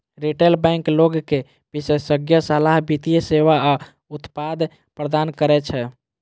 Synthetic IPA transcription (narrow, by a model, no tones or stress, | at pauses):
ɾiʈelbɛ̃ŋkloɡke | pisesəɡjəsəlaɦbit̪ijəseʋaa | ut̪pad̪ | pɾəd̪ankəɾɛt͡ʃʰɛ